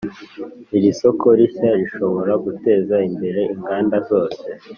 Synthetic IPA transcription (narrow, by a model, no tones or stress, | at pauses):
iɾiso̞ko̞ɾiçaɾiʃo̞βo̞ɾaɡute̞ːzaimbe̞ɾe̞iŋɡaːndazo̞ːse̞